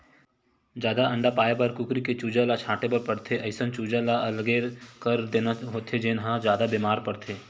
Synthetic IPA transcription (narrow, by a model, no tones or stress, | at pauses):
d͡ʒjaːd̪aʔɐ̃ɳɖapaːjebɐɾkʊkɾiket͡ʃuːd͡ʒalat͡ʃʰaːʈepɐɾpəɽt̪ʰeʔɐɪsənt͡ʃuːd͡ʒalaɐlɡeːɾkəɾd̪eːnaɦoːt̪ʰed͡ʒeːnɦãd͡ʒjaːd̪abeːmaːɾpɐɽt̪ʰeː